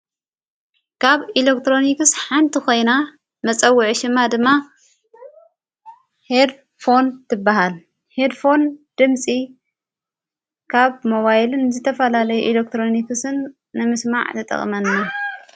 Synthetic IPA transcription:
kʰaβilekt̪ɾo̞nikɨsħant̪ʰiko̞jna | mɐt͡sʼɐwːʊʕʃɨmːad̪ɨmːa | hed̪ | fo̞nt̪ʰɨbːaɦal | hed̪fo̞nd̪̥ɨmsʼi | kʰaβmo̞βajlɨnzɨt̪ʰɐfɐlalɐjuʔilek̚t̪ɾo̞nikɨsɨnː | ɨmɨsma̰ʕt̪ʰɐt̪ʼɐ̰χʼmɐnːa

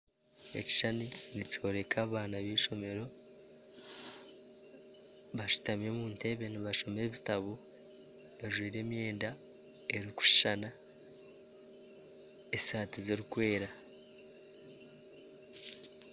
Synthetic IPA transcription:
e̞̰ci̥ʃaninico̞ɾe̞kʰaːβaːnaβiːʃo̞me̞ɾo̞ | βaʃu̥tame̞muːnte̞βeniβaʃo̞me̞βitaβo | βaʒwiːɾe̞ːmje̞ːnda | e̞ɾiku̥ʃi̥ʃana | esaːtizeɾikwe̞ːɾa

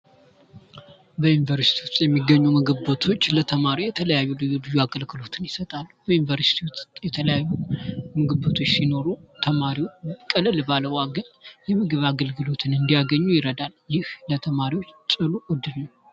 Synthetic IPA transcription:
bəjunivəɾsi̥t̪iwʊst̪ʼjɛmːiɡːəɲːumɨɡɨbət̪ʰo̞t͡ʃːlət̪ʰəmaɾijɛt̪ʰələjajːulɨulɨjuaɡəlkʰɨlo̞t̪ʰɨnjɪsət̪ʼalːub̥əjunvəɾsi̥t̪ʰiwusjɛt̪ʰələjajːumɨɡɨbət̪ʰo̞t͡ʃːsino̞ɾut̪ʰəmaɾiwot͡ʃkʼəlɨlbaləwaɡənjɛmɨɡɨβaɡəlɡɨlo̞t̪ʰɨnɨnd̪ijaɡəɲːujɪɾəd̪aljɪhlət̪ʰəmaɾiwot͡ʃːt͡ʃʼɨluʔɔd̪ɨnnəw

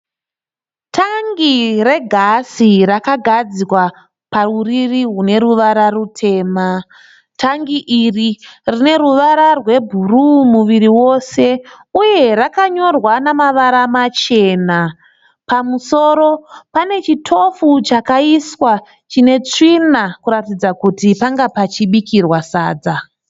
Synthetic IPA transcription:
tʰaŋɡire̞ɡʱasirakaɡʱad͡ziwa | paruririɦune̞ɾuʋaɾarutʰe̞ːma | tʰaŋɡiʔiririne̞ɾuʋaɾarwe̞bʱurumuʋiɾiwo̞se̞ | uje̞rakaɲo̞rwanamaʋaɾamat͡ʃe̞ːna | pamuso̞ɾo̞pane̞t͡ʃitʰo̞fut͡ʃakaiswa | t͡ʃine̞t͡ʂinakuɾatid͡zakutipaŋɡapat͡ʃiɓikirwasaːd͡za

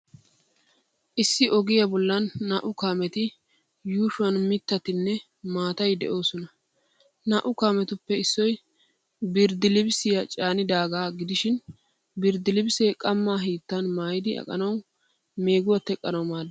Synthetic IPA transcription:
ʔɪsːɪʔɔɡɪjɐbɔlːɐnːɐːʔʊkaːmɛt̪ɪ | juːʃʊɐnmɪt̪ːɐt̪ɪnːɛ | maːt̪ɐjd̪ɛ̰ʔo̞ːsɔnɐ | naʔʊkaːmɛt̪ʊpːɛɪsːɔj | bɪɾd̪ɪlɪbsɪjɐt͡ʃʼaːnɪd̪aːɡaːɡɪd̪ɪʃɪn | bɪɾd̪ɪlɪbseːkʼɐmːaːɦiːt̪ːɐnmaːjɪd̪ɪɐ̰kʼɐ̰nɐw | me̞ːɡʊwɐt̪ːɛkʼːɐnɐwmaːd̪

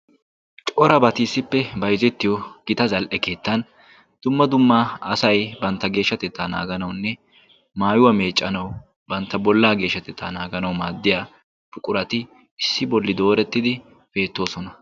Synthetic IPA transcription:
t͡ʃʼɔɾɐbɐt̪iːsːɪpːɛbɐjzɛt̪ːɪjɔɡ̥ɪt̪ɐzɐlʔɛke̞ːt̪ːɐn | d̪̥ʊmːɐd̪ʊmːɐɐsɐjbɐnt̪ːɐɡe̞ːʃːɐt̪ɛt̪ːaːna̰ːɡɐnɐwʊnːɛ | maːjʊwɐme̞ːt͡ʃʼːɐnɐw | bɐnt̪ːɐbɔlːaːɡe̞ːʃːɐt̪ɛt̪ʰːa̰ːnaːɡɐnɐwmaːd̪ːɪjaː | fʊkʼʊɾɐt̪ɪ | ɪsːɪbɔlːɪd̪o̞ːɾɛt̪ːɪd̪ɪ | b̥e̞ːt̪ːo̞ːsɔnɐ

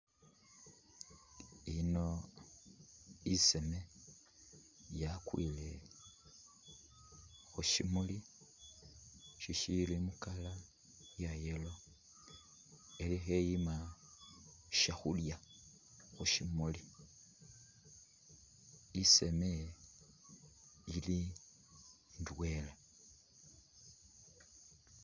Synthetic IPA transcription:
ino̞ | ise̞me̞ | jakwile̞ | xuʃimuli | ʃiʃilimukala | jajelo̞ | elixejima | ʃaxulja | xuʃimuli | ise̞me | ili | ndwela

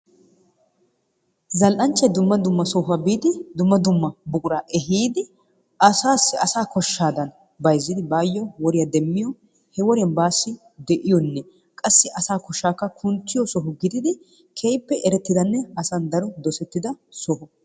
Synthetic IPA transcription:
zɐlʔɐnt͡ʃːɛd̪ʊmːɐd̪ʊmːɐsɔɦɐbiːd̪ɪd̪ʊmːɐd̪ʊmːɐbʊkʼʊɾaːʔɛɦiːd̪ɪ | ʔɐsaːsːɪɐsaːkʰɔʃːaːd̪ɐn | bɐjzːɪd̪ɪbaːjːɔwɔɾɪjad̪ɛmːɪjɔ | hɛwɔɾɪjɐnbaːsːɪ | d̪ɛʔɪjɔnːɛ | kʼɐsːɪʔɐsaːkɔʃaːkːɐkʰʊnt͡sːɪjɔsɔɦʊɡɪd̪ɪd̪ɪ | kʰejpːɛʔɛɾɛt̪ːɪd̪ɐnːɛɐsand̪ɐɾɔd̪ɔsɛt̪ːɪd̪ɐsɔɦʊ

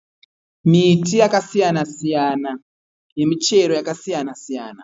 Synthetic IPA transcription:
mitijakasijanasijana | je̞mit͡ʃe̞ɾo̞jakasijanasijaːna

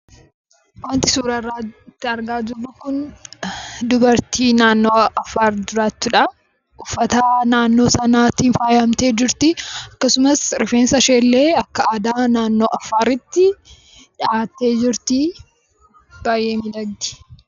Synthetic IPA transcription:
wɐnt̪ɪsuːɾɐrːaːt̪ːɪɐɾɡaːd͡ʒ̪ʊrːʊkʊn | d̪ʊbɐɾt̪ʰiːnaːnːoːɐfaːɾd̪ʊɾaːt̪ːʊᶑɐ | ʊfːɐt̪anaːnːo̞ːsɐnaːt̪iːnfaːjɐmt̪e̞ːd͡ʒɪɾt̪ɪɐkːɐsʊmɐsɾɪfeːnsɐʃeːlːe̞ːɐkːɐaːd̪aːnaːnːo̞ːʔɐfːaːɾɪt̪ːɪ | ᶑɪaːt̪ːe̞ːd͡ʒɪɾt̪ɪ | b̥aːjeːmɪd̪ɐɡd̪ɪ̥

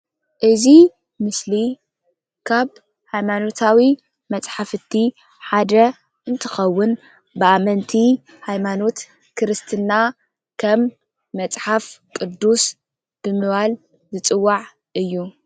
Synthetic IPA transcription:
ʔɨzi | mɨsli | kʰaβ | hajmano̞t̪ʰawi | mɐt͡sʼħafɨt̪ʰːi | ħad̪ɐ | ʔɨnt̪ʰɨxɐwːʊn | bɨamɐnt̪ʰi | hajmano̞t̪ | kʰɨɾɨst̪ʰɨna | kʰɐmː | ɐt͡sʼħafkʼɨd̪ːus | b̥ɨmɨβal | zɨt͡sʼɨwːaʕ | ʔɨjːu

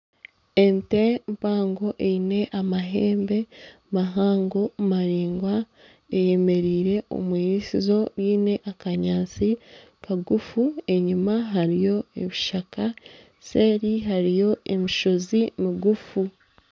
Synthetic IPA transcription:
ente̞mpaːŋɡo̞ʔeine̞ʔamaɦe̞ːmbe̞ | maɦaːŋɡo̞maɾiːŋɡwa | eje̞me̞ɾiːɾe̞ʔo̞̰mwiːɾisizo̞βiːne̞ʔakaɲaːnt͡si | kaɡufue̞ɲimaɦaɾijo̞ḛβiʃaka | se̞ːɾiɦaɾijo̞emiʃo̞zimiɡufu

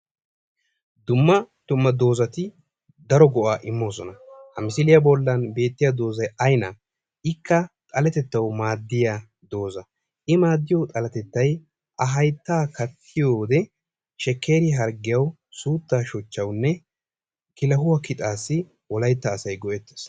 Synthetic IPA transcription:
d̪ʊmːɐd̪̥ʊmːɐd̪o̞ːzɐt̪ɪ | d̪ɐɾɔɡɔʔaːʔɪmːo̞ːsɔnɐhɐmɪsɪlɪjɐbɔlːɐnbe̞ːt̪ːɪjad̪o̞ːzɐjɐjnɐ | ʔɪkːɐt̪ʼɐlɛt̪ɛt̪ːɐwmaːd̪ːɪja | d̪o̞ːzɐ | ʔɪmaːd̪ːɪjɔwt̪ʼɐlɐt̪ɛt̪ːɐj | ʔɐɦɐjt̪ːaːkɐt̪ʰːɪjoːd̪ɛ | ʃɛkːe̞ːɾɪɦɐɾɡɪjɐw | suːt̪ːaːʃɔt͡ʃːɐwnːɛ | kɪlɐɦʊwɐkɪt̪ʼaːsːɪ | wɔlɐjt̪ːɐːsɐjɡɔʔɛt̪ːes

